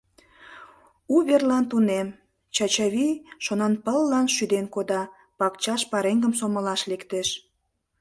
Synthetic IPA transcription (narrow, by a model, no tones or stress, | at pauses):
uβerlɑnt̪unem | t͡ɕɑt͡ɕɑβiʃonɑnpəlːɑnʃyd̪enkod̪ɑ | pɑkt͡ɕɑʃpɑɾeŋɡəmsoməlɑʃlekt̪eʃ